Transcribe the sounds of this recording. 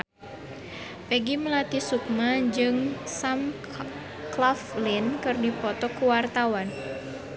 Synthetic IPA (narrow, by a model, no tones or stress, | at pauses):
pɛɡiməlat̪isuk̚mad͡ʒɨŋsam | klaflinkɨrdipɔt̪ɔkuwart̪awan